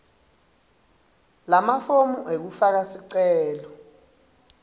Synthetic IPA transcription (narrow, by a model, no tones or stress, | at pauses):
lamafomuʔek̬ufak̬asiǀɛɛːlɔ